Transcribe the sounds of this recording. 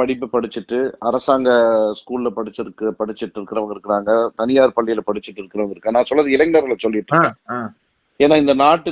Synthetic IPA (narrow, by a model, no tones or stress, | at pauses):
pɐɽɪpːɯpɐɽɯt͡ʃːɯʈːɯɐɾɐsaːŋɡɐskuːlɪlɐpɐɽɯt͡ʃːɪɾɯkːɯpɐɽɯt͡ʃːɪʈːɪɾɯkːɪɾɐʋɐŋɡɪɾɯkːɪɾaːŋɡɐt̪ɐnɪjaːɾpɐɭːɪjɪlɐpɐɽɯt͡ʃːɪʈːɪɾɯkːɪɾɐʋɐɡɪɾɯkːẽːnãːsɔlːɐðɯɪlɐŋɡnɐɾɣɐɭɐsɔlːɪʈːɾɯkːẽ | eːnːaːɪnd̪ɐnaːʈːɯ